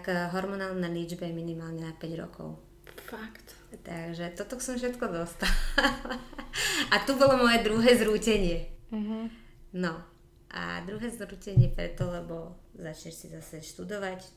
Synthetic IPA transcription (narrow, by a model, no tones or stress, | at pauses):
kɦɔɾmɔnaːlnalid͡ʒbɛɛminimaːlɲɛnapɛɟɾɔ̰kɔ̰ʊ | fakt̪ | t̪aɡʒɛt̪ɔt̪ɔksɔmfʃ̬ɛt̪kɔd̪ɔst̪al | at̪ubɔlɔmɔjɛd̪ɾuɦɛːzɾuːcɛɲɪɛɦ | nɔ | ʔa̰d̪ɾuɦɛːzɾuːcɛɲɪɛpɾɛ̰t̪ɔlɛbɔzat͡ʃɲɛʃsizasɛʃt̪ud̪ɔʋac